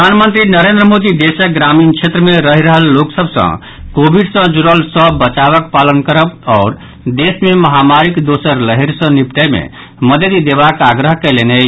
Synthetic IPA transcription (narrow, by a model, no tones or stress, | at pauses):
pəd̪ʱanmənt̪ɾinəɾend̪ɾəmod̪id̪esək̚ɡɾaminkt͡ʃʰet̪ɾəmeɾəɦiɾəɦəlːoksəbʱsə̰̃ | kobiɖsə̃d͡ʒuɾəlsəbət͡ʃaβəkpalənkəɾəbɔːɾ | d̪esmeməɦamaɾikd̪osəɾləɦiɾsə̃nipʈ̪əjmḛ | məd̪əd̪id̪eβakaɡɾəɦkelene